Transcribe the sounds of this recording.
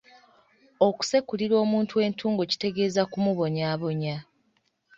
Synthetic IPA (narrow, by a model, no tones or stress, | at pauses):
o̞ku̥se̞kuliɾo̞ːmuːntue̞ːntʰuːŋɡoci̥te̞ɡe̞ːzakumuβo̞ɲaːβo̞ɲa